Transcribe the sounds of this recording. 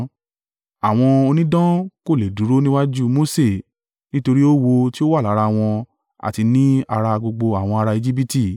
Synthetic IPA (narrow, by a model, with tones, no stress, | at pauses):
a˨w̃ɔ̃˧o˧nĩ˦dã˦ko˦˨le˨du˨˦ɾo˦nĩ˦wa˦d͡ʒu˦mo˦se˦˨ | nĩ˦to˧ɾi˦o˦wo˧ti˦o˦wa˦˨la˨˦ɾa˧w̃ɔ̃˧ | a̰˨ti˧nĩ˦a˧ɾa˧ɡ͡bo˧ɡ͡bo˧a˨w̃ɔ̃˧a˧ɾa˧i˧d͡ʒi˦b̬i˦ti˦˨